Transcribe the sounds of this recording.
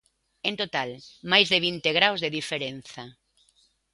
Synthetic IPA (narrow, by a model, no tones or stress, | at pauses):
ẽnt̪ot̪almajzðeβ̞int̪eɣɾawzðeðifeɾenθɐ